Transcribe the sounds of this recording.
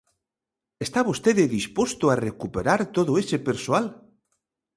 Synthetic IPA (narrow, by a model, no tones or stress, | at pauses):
est̪aβost̪eðeðispwost̪oarekupeɾaɾt̪oðoesepeɾsoal